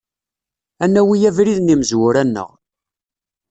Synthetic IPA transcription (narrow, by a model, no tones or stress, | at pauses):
ænːæwijævɾiðniməzwʊɾænːə̰ʁ